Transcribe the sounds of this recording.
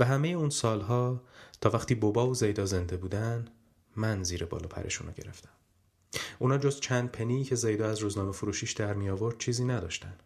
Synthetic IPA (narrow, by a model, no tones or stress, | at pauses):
væɦæme̞jeuːnsɒːlɦɒːt̪ʰɒːvæxt̪iːbobɒːvozejd̪ɒːze̞nd̪e̞buːd̪æn | mænziːɾebɒ̰ːlɒ̰ːpʰæ̰ɾʔḛʃṵːnɒ̰ɟe̞̰ɾe̞̰ft̪æ̥m | ʔuːnɒːd͡ʒo̞zt͡ʃʰænd̪̚pʰeniːcʰe̞zejd̪ɒːæzɾuːznɒːmefuɾuʃiːʃd̪æɾmijɒːvo̞ɾd̪̥t͡ʃʰiːziːnæd̪ɒ̰ːʃt̪æn